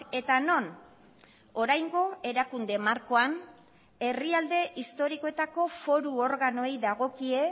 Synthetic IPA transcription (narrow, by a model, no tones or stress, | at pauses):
e̞t̪ano̞n | o̞ɾajŋɡo̞e̞ɾakund̪e̞maɾko̞an | e̞riald̪e̞ʔist̪o̞ɾikoe̞t̪ako̞fo̞ɾuo̞ɾɣano̞ejðaɣ̞o̞kie̞